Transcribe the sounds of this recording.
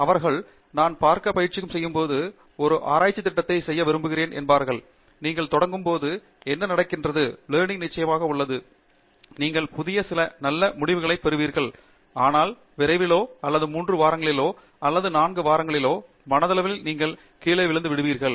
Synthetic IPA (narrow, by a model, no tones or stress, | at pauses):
ɐʋɐɾɣɐɭ | naːnpaːɾkɐpɐjɪɾt͡ʃːɪkːɯmsɛjːɯmpoːðɯ | ɔɾɯʔa̰ːɾaːt͡ʃːɐt̪ːɪʈːɐt̪ːɐɪsɛjːɐʋɪɾɯmbɯɣɪɾeːnʔɛ̰nbaːɾɣɐɭ | niːŋɡɐɭt̪ɔɽɐŋɡɯmpoːðɯ | ɛnːɐnɐɽɐkːɪndrɐðɯleːɳɪnɪt͡ʃːɐjɐmaːɣɐʊɭːɐðɯ | niːŋɡɐɭpʊðɪjɐsɪlɐnɐlːɐmʊɽɪʋɯɣɐɭɐɪpɛɾɯʋiːɾɣɐɭ | aːnaːl | ʋɪɾɐɪʋɪloːɐlːɐðɯmuːndrɯʋaːɾɐŋɡɐɭɪloː | ɐlːɐðɯnaːnɡɯʋaːɾɐŋɡɐɭɪloː | mɐnɐðɐlɐʋɪlniːŋɡɐɭ | kiːɭɐɪʋɪɭɯnd̪ɯʋɪɽɯʋiːɾɣɐɭ